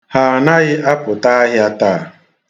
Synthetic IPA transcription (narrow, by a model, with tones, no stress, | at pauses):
ha˨na˦ɣɪ˦ʔa˦pʊ˨ta˦a˦ɦɪ˦a˦taː˦˨